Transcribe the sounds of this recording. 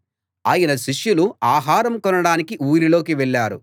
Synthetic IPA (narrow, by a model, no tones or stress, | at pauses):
aːjɐnɐʃiʂjuluaːɦaːɾɐmkɔnɐɽaːnikiʔuːɾilo̞ːkiʋɛɭːaːɾṵ